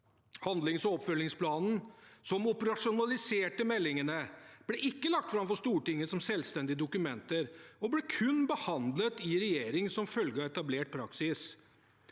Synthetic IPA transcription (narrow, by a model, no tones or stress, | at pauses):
hɑnd̪lɪŋsɔɔpfœlːɪŋspʰlɑːnn̩sɔmʊpəɾɑʂʊnɑlɪseːʈəmɛlːɪŋənəb̥lɛʔɪkːəlɑk̚t̪fɾɑmfɔʂst̪uːʈɪŋːəsɔmsɛlst̪ɛnd̪ɪəd̪ʊkʉmɛnt̪əɾɔblɛkʰʉnːbəhɑnd̪lət̪ɪɾɛjeːɾɪŋsɔmfœlɡəɑːɛt̪ɑbleːʈ̚pʰɾɑ̰ksɪs